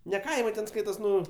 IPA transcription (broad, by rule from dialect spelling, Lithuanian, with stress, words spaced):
nʲɛ ˈkɐɪmɐɪ tʲɛn ˈskɐɪtoːs ˈnʊ